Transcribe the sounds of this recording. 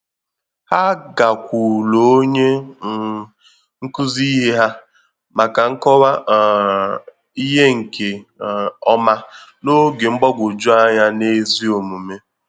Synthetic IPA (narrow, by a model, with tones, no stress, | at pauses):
ha˦ɡa˨kʷu˨lo˨o˦ɲe˦ | ŋ̩˦ku˦zi˦ɦe˦ɦa˦ | ma˨ka˨ŋ̩˦kɔ˦wa˦˨ | i˦ɦe˦ŋ̩˨kʰe˨ | ɔ˦ma˦no˦ɡe˨ŋ͡m̩˦ɡ͡bɔ˦ɡʷo˨d͡ʒu˦a˦ɲa˦ne˦zi˦o˨mu˨me˦